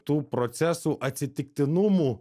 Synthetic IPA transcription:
t̪upɾɔt̪sɛsʊʔɐt̪ʲsʲɪt̪ʲɪk̚t̪ɪnʊmʊ

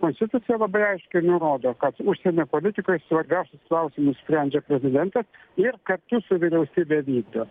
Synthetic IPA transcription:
koːnsʲt̪ʲɪt̪ʊt̪sʲɪjɛlˠɐbɐɪɐɪʃʲkʲɛɪnʊɾoːd̪oːkɐt̪ʊʃʲsʲɛnʲoːpoːlʲɪt̪ʲɪkojsʋɐɾʲbʲæˑʊsʲʊsklˠɐʊsʲɪmʊssʲpʲɾʲænʲd͡ʒʲɛpʲɾʲɛzʲɪd̪ʲɛnt̪ɐs | ɪrkɐrt̪ʊsʊʋʲɪɾʲɛʊsʲiːbʲeːʋʲiːt̪ʊ

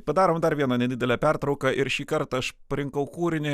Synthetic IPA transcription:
pɐd̪ɑːɾoːmd̪ɐɾʋʲiɛnɐnʲɛd̪ʲɪd̪ʲɛlʲɛːpʲært̪ɾɐʊkɐʔɪɾʃʲiːkɐɾt̪ɐʃpɐɾʲɪŋkɐʊkuːɾʲɪnʲɪ

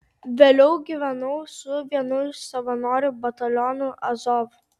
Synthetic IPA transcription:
ʋʲeːlʲɛʊɡʲiʋʲɛnɐʊsʊʋʲiɛnʊjsɐʋɐnoːɾʲʊbɐt̪ɐlʲɔnʊʔɐzɔf

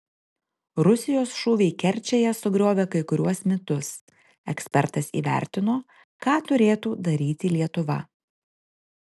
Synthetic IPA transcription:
ɾʊsʲɪjoːsʃuːʋʲɛɪkʲɛɾʲt͡ʃʲɛjɛsʊɡɾʲoːʋʲekɐɪkʊɾʲuɔsmʲɪt̪ʊs | ɛksʲpʲɛɾt̪ɐsḭːʋʲæ̰ˑɾʲt̪ʲɪnoː | kɑːt̪ʊɾʲeːt̪uːd̪ɐɾʲiːt̪ʲɪlʲiɛt̪ʊʋɐ̰

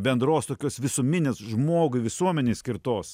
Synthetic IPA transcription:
bʲɛnd̪ɾoːst̪oːkʲoːsʋʲɪsomʲɪnʲeːsʒmoːɡʊʋʲɪsuɔmʲɛnʲeːsʲkʲɪɾt̪oːs

